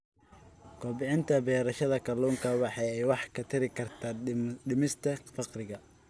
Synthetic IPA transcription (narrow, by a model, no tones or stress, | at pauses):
kʰɔːbɪʕɪnt̪ʰɐbɛːɾɐʃɐðɐkʰɐlɔːŋkʰɐwɑħɑjɛjwɑħkʰɐt̪ʰɐɾɪkʰɐrt̪ʰaːɖɪmɪst̪ʰɐfɑqrɪɣɐ